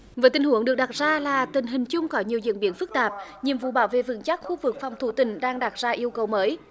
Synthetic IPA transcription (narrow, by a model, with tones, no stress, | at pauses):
vəː˨˦t̪ï˨˩ŋ̟ɦu˧˩˦əŋɗɨ˨˩ək̚ɗa˨˩t̚zaː˧laː˨˩t̪ï˨˩ŋ̟ɦï˨˩ŋ̟t͡ɕʊ˧ŋ͡mkɔ˨˦ɲi˨˩əwzḭ˧˨ənɓi˨˧˦ənfɨ˦˥k̚t̪aː˨˩p̚ɲi˨əmvṵ˧˨ɓaː˧˦wvḛ˧˨vɨ̰˧˥ŋt͡ɕa˦˥k̚xu˧vɨ˨˩k̚fa˨˩wŋ͡mt̪ʰu˧˩t̪ï˨˩ŋ̟ɗaː˧ŋɗa˨˩t̚zaː˧ʔi˧əwkə˨˩wməː˨˦j